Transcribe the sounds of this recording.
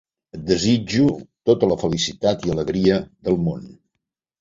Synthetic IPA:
əd̪əzid͡ʒut̪ot̪ələfəlisit̪at̪iələɣɾiəðəlˠmon

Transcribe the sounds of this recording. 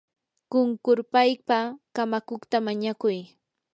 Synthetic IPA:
kʊŋkʊɾpajpakamakoχt̪amaɲakʊj

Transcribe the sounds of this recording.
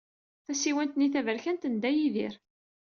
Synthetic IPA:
θæsiwænt̪niθævəɾçænt̪ənd̪æjiðḭɾ

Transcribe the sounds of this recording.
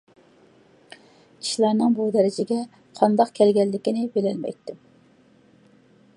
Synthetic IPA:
i̥ʃlˠɑnɨŋbud̪ɛɾɪd͡ʒɪɡʲɛ | qʰɑnd̪ɑqkʲʰɛlɡʲɛlːɪkʲinɪbelɛlmɛ̰jt̪ːɪm

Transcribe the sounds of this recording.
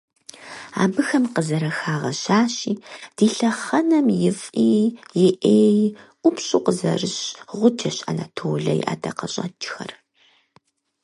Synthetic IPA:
a̰ːbɨxɐmqəzɐɾɐxaːʁɐɕaːɕiːd̥iːɬɐχɐnɐmjɪfʼiːjɪʔeːjʔʷʊpɕʼuːqəzɐ̰rɨɕʁʷʊd͡ʒʰɐɕa̰na̰tʰoːɮɐjḭʔa̰ːdʰɐqɐɕʼɐ̰d͡ʒxɐr

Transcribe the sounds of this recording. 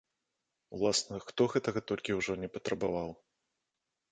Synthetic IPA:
ulˠasnɐxt̪ɔɣɛt̪ɐɣɐt̪ɔlʲkʲiwʐɔnʲɛpɐt̪ɾɐbavaw

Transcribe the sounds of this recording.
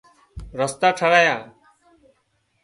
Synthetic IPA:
ɾəst̪aːʈʰəɽaːjãː

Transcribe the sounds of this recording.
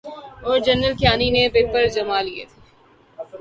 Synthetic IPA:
ɔːɾd͡ʒɐnːəlkjaːninepepːəɾd͡ʒɐmaliḛt̪ʰeː

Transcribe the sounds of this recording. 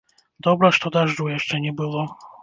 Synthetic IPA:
d̪ɔbɾaʂt̪ɔd̪aʐɖujɛʂt͡ʂɛɲɛbɘwɔ

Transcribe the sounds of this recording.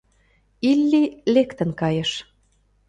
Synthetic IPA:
ilːilekt̪ə̆nkɑjɤ̆ʃ

